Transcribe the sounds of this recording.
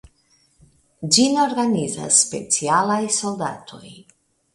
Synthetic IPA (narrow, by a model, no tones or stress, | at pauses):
d͡ʒino̞ɾɡaniza̰sːpe̞̰t͡sialajso̞ld̪a̰tʰo̞j